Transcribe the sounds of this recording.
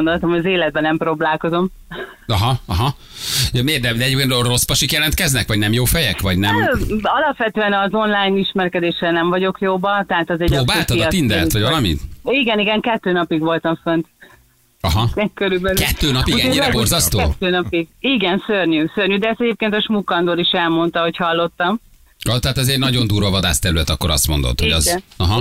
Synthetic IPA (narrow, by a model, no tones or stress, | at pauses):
ond̪o̞lt̪ɒmojɒzeːlɛd̪̚bɛnɛmproːblaːlko̞zo̞m | ɒɦɒɒɦɒ | jmeːrd̪ɛd̪ɛɟeːpkeːnrospɒʃikjɛlɛnt̪kɛznɛkʋɒɟnɛmjoːfɛjɛkʋɒɟnɛmɒlɒpʋɛt̪øɛnɒzo̞nlaːjniʃmɛrkɛd̪eːʃɛnɛɱvɒɟo̞kjoːbɒt̪ɛɦaːt̪ɒzɛpɾoːbaːlt̪ɒit̪ind̪ɛ̰lʋɒɟvɒlɒmḭt̪iɡɛniɡɛŋkɛt̪ːøːnɒpiɡʋo̞lt̪ɒɱfønt̪ | ɒɦɒɛkøɾybɛlkɛtt̪ːøːnɒpiɡɛɲːiɾɛborzɒst̪oɛːt̪ːøːnɒpiɡiɡɛnsørɲysørɲyd̪ɛɛst̪ɛɟeːp̚keːnt̪ɒʃmukːɒnd̪oːɾiʃɛlmo̞nt̪ɒɦo̞chɒlːo̞t̪ːɒm | ɒt̪ɛɦaːt̪ɒzeːrnɒɟo̞nd̪uːɾɒvɒd̪a̰ːst̪ɛɾylɛt̪ɒkːo̞ɾɒ̰st̪mo̞̰nd̪o̰t̪hoɟɛzɒɦɒ